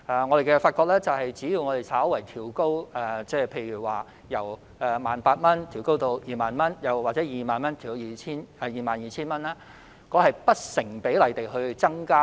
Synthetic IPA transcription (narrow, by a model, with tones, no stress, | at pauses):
ʔɛː˨ŋɔː˨˧ɾe˨˩kɛ˧faː˧t̚kɔː˧k̚lɛː˥t͡sɐ˨whɐ˨jt͡siː˨˥ji˨˧wŋɔː˨˧t̪e˨˩jsaː˨˥wwɐ˨˩jt̪ʰiː˨˩wko˥wɛ˨t͡sɛː˥˧pʰe˧jɥyː˨˩waː˨˩ | jɐ˨˩w | ʔɛ˨˧maː˨npaː˧t̚mɐ˥nt̪ʰi˨˩wko˥wt̪o˧wjiː˨maː˨nmɐ˥njɐ˨˩wwaː˨t̚t͡sɛː˨˥jiː˨maː˨nmɐ˥nt̪ʰiː˨˩jiː˨˩t͡sʰiː˥nɛ˨˧jiː˨˩maː˨njiː˨˩t͡sʰiː˥nmɐ˥nɛː˥ | kɔː˨˧˥hɐ˨jpɐ˥t̚sɪ˨˩ŋpe˨˥jlɐ˨˩jt̪e˨jɦɵ˧ɥt͡sɐ˥ŋkaː˥